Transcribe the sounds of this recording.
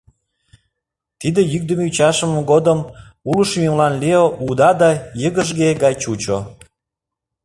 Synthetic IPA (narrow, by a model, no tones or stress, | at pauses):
t̪id̪ejyk̚d̪əmeyt͡ɕɑʃəmoɡod̪əm | uləʃmʲemlɑnleoʔud̪ɑd̪ɑjəɣəʒɣeɡɑjt͡ɕut͡ɕo